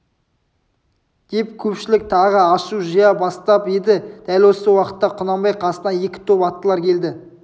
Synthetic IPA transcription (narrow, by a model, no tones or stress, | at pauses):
d̪̥e̞p̚kʲʰɵpʃɪlɪk̚t̪ʰɑʁəɑʃuʒijɑbɑst̪ɑped̪ɪd̪̥ælwo̞səwɑqət̪ːɑqʰʊnɑmbɑjqʰɑsənɑje̞kʲɪ̥t̪ʰɵpɑt̪ːəlˠɑɾkʲʰe̞ld̪ɪ